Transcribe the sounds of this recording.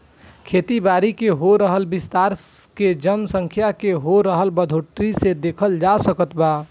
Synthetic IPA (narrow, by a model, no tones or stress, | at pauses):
kʰeːt̪ibaːɾikeɦoɾəɦəlbɪst̪aːɾked͡ʒənsə̃ŋkʰjakeɦoɾəɦəlbəd̪ʱoʈɾised̪eːkʰəld͡ʒasəkət̪ba